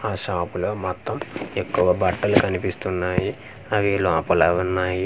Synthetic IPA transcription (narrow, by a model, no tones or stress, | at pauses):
aːʃaːpulo̞ːmɐt̪ːɐme̞kːuʋɐbʱɐʈːɐlukɐnipist̪unːaːji | ɐʋilaːpɐlɐunːaːji